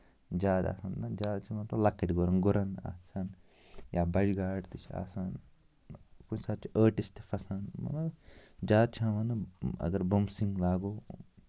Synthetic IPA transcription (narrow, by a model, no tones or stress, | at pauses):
d͡ʒaːd̪a̰ːsaːnd̪ad͡ʒaːd̪t͡ʃʰiʋɐnt̪olɐkːeʈɡuɾɐnɡuɾɐna̰ːsʰaːn | jaːbɐd͡ʒɡaːɽt̪ɨt͡ʃʰa̰ːsaːn | kut͡ʃsat̪̚t͡ʃəːʈist̪i̥fɐsaːnmɐ̰nɐd͡ʒaːd̪̚t͡ʃʰaːʋɐnɨɐ̰ɡɐɾbɐmsĩŋɡlaːɡoː